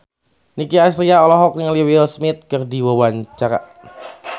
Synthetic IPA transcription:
nikiasɾiaɔlɔɦɔk̚niŋliwilsmɪt̪̚kərdiwawaɲt͡ʃaɾa̰

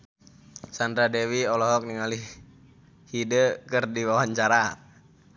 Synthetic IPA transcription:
sand̪ɾadewiɔlɔɦɔk̚niŋali | hidəkərdiwawaɲt͡ʃaɾa

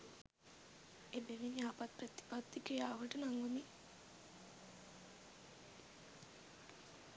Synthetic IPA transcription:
ebeʋiniaːpat̪̚prət̪i̥pat̪ːikejaːʋəʈənaŋɡuni

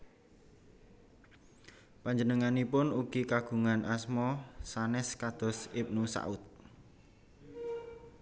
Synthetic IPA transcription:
paɲd͡ʒənəŋanipʊnuɡ̥ikaɡ̥ṳŋanʔasmɔsanɛskad̪̥ɔ̤sɪp̚nusa̰ʊt̪̚

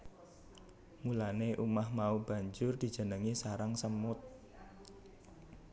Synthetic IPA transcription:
mulaneʔumahmaub̥a̤ɲd͡ʒʊrd̪̥i̤d̥ʒ̥ə̤nəŋisaɾaŋsəmʊt̪̚

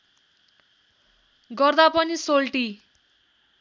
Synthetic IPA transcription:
ɡʌrd̪apʌnisolʈi

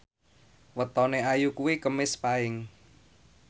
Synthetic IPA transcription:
wət̪ɔneajukuwikəmɪspaɪŋ

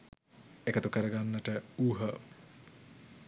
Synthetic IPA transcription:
ekət̪ukəɾəɡanːəʈəuːɦə

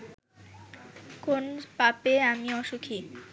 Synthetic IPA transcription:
konpapeamiɔʃukʰi

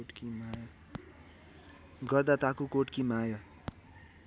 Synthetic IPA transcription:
ʈkimaj | ɡʌrd̪at̪akukoʈkimajʌ

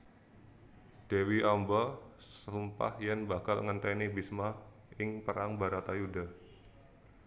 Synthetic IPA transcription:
d̥ewiʔambɔsəumpa̰hjɛnbakalŋənt̪ɛnibisma | ɪŋpəɾaŋbaɾat̪ajuda

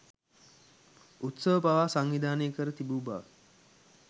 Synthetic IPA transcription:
ut̪səʋəpaʋaːsaŋʋid̪aːnejəkəɾət̪ibuːba̰ʋə

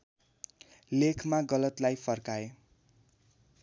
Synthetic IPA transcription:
lekʰmaɡʌlʌt̪lajpʰʌrkae

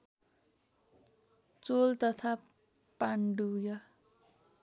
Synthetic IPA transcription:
t͡solt̪ʌt̪ʰa | paɳɖujʌ

